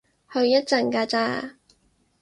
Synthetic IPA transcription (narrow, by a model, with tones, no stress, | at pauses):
hɵ˧ɥjɐ˥t̚t͡sɐ˨˩nkaː˧t͡saː˧